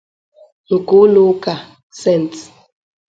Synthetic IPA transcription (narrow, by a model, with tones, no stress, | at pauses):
ŋ̩˨ku˦lu˦ka˨ | sɛ˦˨nt